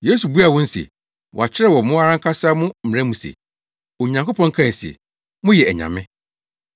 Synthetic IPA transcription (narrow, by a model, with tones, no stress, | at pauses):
je˦su˨bu˦a˨wɔ̃˦n̩˦sɛ̰˨ | wɔ̰˨a˨t͡ɕʰɪ˦ɾɛ˦˨wɔ˨mʊ̃˦a˦ɾã˦ŋkʰa˦sa˦mʊ̃˦m̩˨ɪ̃˨ɛ̃æ˦mũ˨sḛ˨ | ɔ˨ɲã˨ŋko˦pʰɔ̃˦ŋ˦kʰã˦˨n˨si˨ɛ̰˨ | mʊ̃˦jɛ˨ɛ˨ɲã̰˨mɪ̃˦